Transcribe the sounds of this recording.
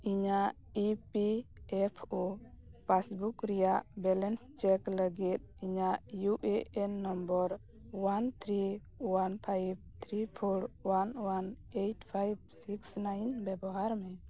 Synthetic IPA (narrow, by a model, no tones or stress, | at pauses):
iɲa | ipiɛpʰopasbukɾijaʔbɛlɛnst͡ʃɛkləɡit̪̚iɲaʔjuʔeʔɛnːɔmbɔɾ | want̪ʰɾi | wanpʰajb̚t̪ʰɾipʰoɾwanwan | ejtʰpʰajb̚siksnajnbɛbɔɦaɾmɛ